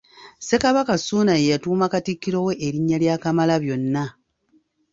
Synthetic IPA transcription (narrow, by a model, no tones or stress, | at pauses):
se̞kaβakasuːnaje̞jatuːmakatikːiɾoweʔːɾiɲːaljakamalaβjo̞nːa